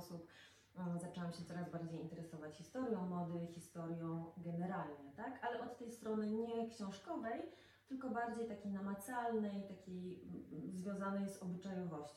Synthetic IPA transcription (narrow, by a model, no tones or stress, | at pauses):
sup | zat͡ʂɛwamɕɛt̪sɔɾazbaɾd͡ʑejint̪ɛɾɛsɔvat͡ɕxʲist̪ɔɾjɔ̃w̃mɔd̪ɘxʲist̪ɔɾjɔ̃w̃ɡɛnɛɾalɲɛt̪akalɛʔɔt̪ːɛjst̪ɾɔnɘɲɛkɕɔ̃w̃ʂkɔvɛj | t̪ɘlkɔbaɾd͡ʑejt̪akʲejnamat̪salnɛjt̪akʲejzvʲjɔ̃w̃zanɛjzɔbɘt͡ʂajɔvɔɕt͡ɕ